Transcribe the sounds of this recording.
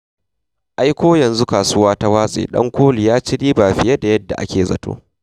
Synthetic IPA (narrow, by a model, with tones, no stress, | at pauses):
ʔa˦jkʷoː˦jɐ˨nzu˦kaː˨sʊ˦waː˦ta˦waː˦sʼḛː˨ɗɐ̰˦ŋkʷoː˦li˨jaː˦t͡ʃɪ˦ɽiː˦baː˨ɸɪ˨je˦da˨jɐ˦dːa˨ʔa̰˦kʲʰeː˨zɐ̰˨to̰ː˦